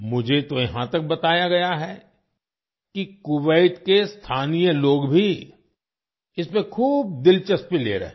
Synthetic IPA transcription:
mʊd͡ʒʱet̪ojɐɦã̰t̪ɐk̚bɐt̪aːjaɡɐjaɦɛ | kikʊʋəɪt̪kest̪ʰaːnijəloːɡbʱi | ɪsmẽkʰuːb̚d̪ɪlt͡ʃəspilḛːɾɐ̰ɦẽ

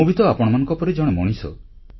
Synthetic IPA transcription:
ubʱit̪ɔapɔɽ̃ɔmanɔ̃ŋkɔpɔɾid͡ʒɔɽ̃emɔ̰ɽ̃isɔ̰

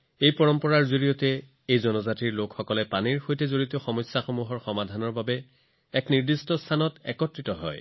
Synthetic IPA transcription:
ejpɔɹɔmpɔɹaɹzoɹijɔtɛ | ejzɔnɔzatiɹlokxɔkɔlɛpaniɹxojtɛzoɹiteoxɔmɔjsːaxomuɦɔɹxɔmadʱanɔɹbabɛ | ɛkniɹdistɔstʰanɔtɛ̰kɔtɹitɔɦɔ̰j

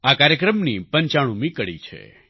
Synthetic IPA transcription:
akaɾjəkɾəmnipəɲt͡ʃaɽ̃ũmikəɽḭt͡ʃʰḛ

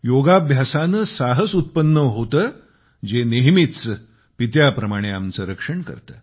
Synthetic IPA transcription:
joɡabʱjasanəsaɦəsut̪̚pənːəɦot̪əː | d͡ʑeneɦmit̪t͡s | pit̪̬japɾəmaɽ̃eamt͡səɾəkʂəɳkə̰ɾt̪ə̰ː

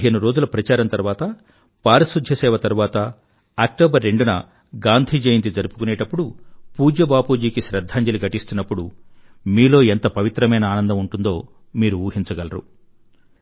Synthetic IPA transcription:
ɦeːnuɾo̞ːd͡ʒulɐpɾɐt͡ʃaːɾɐnt̪ɐɾuʋaːt̪ɐ | paːɾɐsud̪ʱjɐsɛːʋɐt̪ɐɾuʋaːt̪ɐ | ɐk̚ʈoːbɐɾːe̞ɳɖunɐ | ɡaːnd̪ʱid͡ʒejind̪id͡zɐɾupu̥kuneːʈɐpːuɽupuːd͡ʒɐbaːpuːd͡ʒiːkiʃɾɐd̪ʱːaːɲd͡ʒɐliɡɐʈist̪unːɐpːuɽumiːlo̞ːent̪ɐpɐʋit̪ɾɐmɐjnɐaːnɐnd̪ɐmuɳʈund̪o̞ː | miːɾuuːɦint͡ʃɐɡɐlɐɾṵ

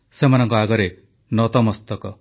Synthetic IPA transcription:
semanɔŋkɔaɡɔɾe | nɔt̪ɔmɔst̪ɔkɔ

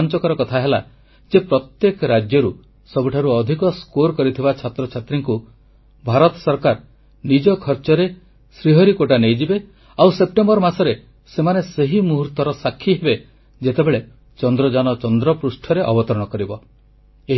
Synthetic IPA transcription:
nt͡ʃɔkɔɾɔkɔt̪ʰaɦela | d͡ʒepɾɔt̪jekɔɾad͡ʒjɔɾu | sɔbuʈʰaɾuɔd̪ʱikɔskoɾkɔɾit̪ʰibat͡ʃʰat̪ɾɔt͡ʃʰat̪ɾiŋku | bʱaɾɔt̪ɔ̥sɔɾkaɾ | nid͡ʒɔkʰɔɾt͡ʃɔɾe | sɾiɦɔɾikoʈanejd͡ʒibe | awsep̚ʈembɔɾmasɔɾe | semaneseɦimuɦuɾt̪ɔɾɔsakʰːiɦebe | d͡ʒet̪ebeɭe | t͡ʃɔnd̪ɾɔd͡ʒanɔt͡ʃɔnd̪ɾɔpɾusʈʰɔɾeʔɔbɔt̪ɔɾɔɽ̃ɔkɔɾibɔ | eɦ

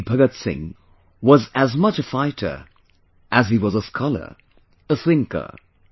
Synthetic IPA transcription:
pʰʌɡətsɪ̰̃ŋ | wʌzɨzmʌt͡ʃɨfaɪɾə̰˞ | ʔɨziwʌzəskʰɑlˠə̰˞ | əθɪ̃ŋkə̰˞

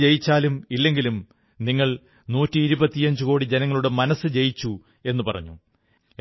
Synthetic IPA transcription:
d͡ʑejit͡ɕːaːlumilːe̞ŋɡilum | niŋːɐɭ | nuːtːiːɾubɐt̪ːijɐɲd͡ʑuko̞ːɽid͡ʑenɐŋːɐɭuɽe̞mɐnɐsːɨd͡ʑe̞jit͡ɕːu | e̞nːupɐrɐ̰ɲːṵ

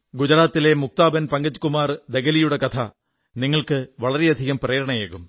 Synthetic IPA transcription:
ɡud͡ʑɐɾaːt̪ːile̞muk̚t̪aːbɐnpɐŋɡɐd͡ʑːu̥kːumaːrd̪eɡɐlijuɽe̞kɐt̪ʰɐ | niŋːɐɭkɨʋɐɭɐɾeɐd̪ʱiɣɐmprɐjːɾɐɳɐjeːɣum

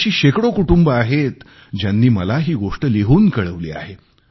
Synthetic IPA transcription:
ɕiːɕekɽokuʈumbəaɦet̪ | d͡ʑjanːiːməlaɦiːɡoʂʈəliɦuːnkəɭəʋlḭːa̰ɦe

